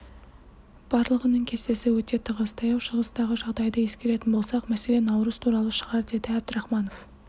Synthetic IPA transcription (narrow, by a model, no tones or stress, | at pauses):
b̥ɑɾlˠəʁənəɴkʲʰe̞st̪e̞sɪwɵt̪e̞t̪ʰəʁəst̪ʰɑjɑwʃəʁəsd̪ɑʁəʒɑʁd̪ɑjd̪əje̞skʲe̞ɾe̞t̪ɪnbo̞lˠsɑqmæse̞lenɑwɾəz̥t̪ʰuɾɑlˠəʃəʁɑɾd̪e̞d̪ɪæb̚d̪ɪɾɑχmɑnof